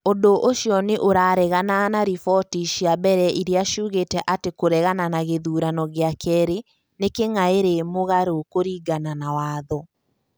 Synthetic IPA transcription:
ondoʔoʃjɔneʔoɾaːɾɛɣananaɾifɔtiʃiabɛɾɛʔiɾeaʃuːɣetɛʔatekoɾɛɣananaɣeðuːɾanɔɣeakʰɛɾe | nekeŋaeɾemoɣaɾokoɾiːɡananawaːðɔ

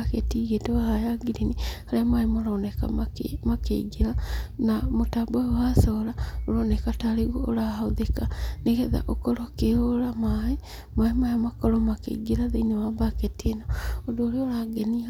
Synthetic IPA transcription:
aketiɣetoahajaɡiɾinihaɾemwaemoɾaoneka̰aemakḛɡeɾanamotabawasoɾaoɾonekataɾeɣoːɾahaoðekaneɣeða̰ʔokɔɾokeoɾamae | maemajamakɔɾɔmakḛɡiɾaðeinowabaketienaodoːɾeoɾaɡenia

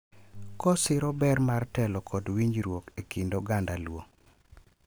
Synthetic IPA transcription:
kɔsɪɾɔbɛrmartɛlɔkʰɔdwiɲd͡ʒɾwokekindoɡandalwoŋ

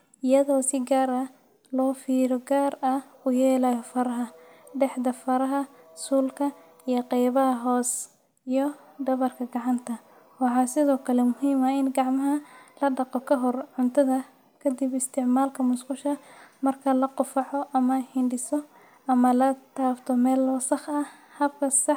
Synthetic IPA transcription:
ɪjɐðɔːsɪɡaːɾɐ | lɔːfiːɾɔɡaːrɐʊjɛːlajɔfɐɾɐɦɐɖɛħd̪ɐfɐɾɐɦɐsuːlkʰɐ | ijɔqɛjβɐɦɐɦɔːs | ijɔ | d̪ɐβɐrkʰɐɡɑʕɑnt̪ʰɐ | wɑħɑːsɪðɔːkʰɐlɛmʊɦiːmɐɪnɡɑʕmɐɦɐlɐɖɑqɔkʰɐɦɔrʕʊnt̪ʰɐðɐ | kʰɐd̪ɪbɪst̪ʰɪʕmaːlkʰɐmʊsqʊʃɐmɐrkʰɐlɐqʊfɑʕɔʔɐmɐhɪɳɖɪsɔ | ʔɐmɐlɐt̪ʰaːft̪ʰɔmɛːlːɔːsɑχɐ | hɐb̚kʰɐsɑħ

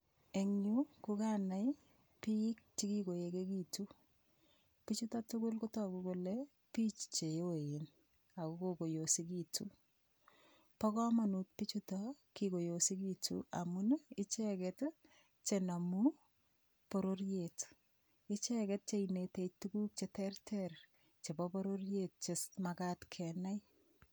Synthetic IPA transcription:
eŋɲukukanaj | pik̚t͡ʃikikojekekitu | pit͡ʃutɔtukʊlkotɔkukole | pit͡ʃt͡ʃejojin | akukokojosik̬itu | pɔkɔmanut̚pit͡ʃutɔkikojosikitʰṵa̰munɪt͡ʃɛkɛt | t͡ʃenamu | poɾoɾjet | ɪt͡ʃɛkɛt̚t͡ʃeinetetukuk̚t͡ʃetɛrtʰɛr | t͡ʃebɔpoɾoɾjet̚t͡ʃesmakatkʰɛnaj

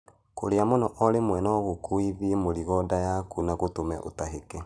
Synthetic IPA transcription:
ko̰ɾeamonɔʔɔɾemwɛnɔɣokoiðiemoɾiɣɔdajakunaɣotomɛ̰ʔo̰taɦekɛ

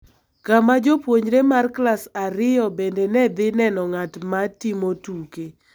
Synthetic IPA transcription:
kamad͡ʒopwoɲɾemarklasaɾɪjɔbendenɛd̪ɪnɛnɔŋatmatimotuke

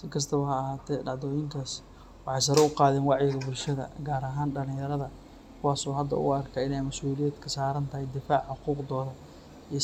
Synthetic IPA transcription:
sɪkʰɐs̬t̪ʰɐβɐhɐːɦaːt̪ʰɛɖɑʕd̪ɔːjɪŋkʰaːs | wɑħɑjs̬ɐɾɛʊqɑːðɛːnwɑʕjɪɣɐbʊlʃɐðɐ̰ɡaːɾɐɦaːnɖɐlɪ̃ŋjɐɾɐðɐ | kʰʊwɑːsɔːɦɐd̪ːɐ̰ʊ̰ɐrkʰɐɪnɛjmɐsuːlɪjɛːd̪kʰɐsaːɾɐnt̪ʰɐhɛjd̪ɪfaːʕħʊquːqd̪ɔːðɐ | ij

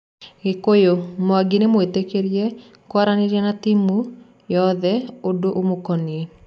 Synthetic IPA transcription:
ɣekojomoaɡinemoetekeɾjɛ | kwaɾaneɾjɛnat̪imu | jɔðɛodoʔomokɔnie

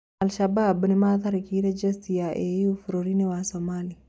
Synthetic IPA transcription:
alʃababnɛmat̪aɾkiɾed͡ʒɛst̪ijaʔejufɾoɾinewasɔmali

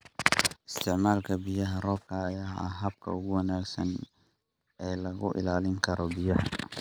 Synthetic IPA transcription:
ʔɪst̪ʰɪʕmaːlkʰɐbɪjɐɦɐrɔːbkʰɐːjaːʔɐ̰ɦɐb̚kʰɐ̰ʊɣʊwɑnaːɡsɐn | ɛːlɐɣʊʔɪ̰laːlɪŋkʰɐɾɔbɪjɐh

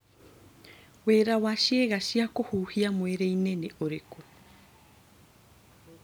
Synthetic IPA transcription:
weːɾawaʃieɣaʃiakohuːhiamoeɾejneneʔoɾeku

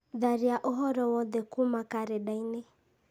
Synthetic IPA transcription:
ðaɾiaʔɔɦɔɾɔwɔðɛkumakaɾeɗainɛ

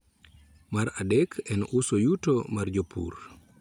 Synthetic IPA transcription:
maɾadekʰɛnʊsojutomard͡ʒopʰṵr

